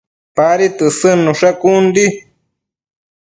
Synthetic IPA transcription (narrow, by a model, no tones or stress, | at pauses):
paɾit̪ɨsɨnuʂakund̪i